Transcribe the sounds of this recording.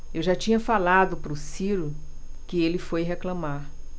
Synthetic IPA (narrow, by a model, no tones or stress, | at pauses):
ewʒat͡ʃĩɲɐfalad̪ʊpɾʊsiɾʊ | kɪelɪfojɦeklɐ̃maɾ